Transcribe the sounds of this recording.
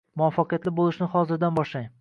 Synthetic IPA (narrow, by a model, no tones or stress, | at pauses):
mʊɒfːɑqɨjat̪lɪbolˠɪʃnɪχɒzɪɾd̪anbɒʃlaj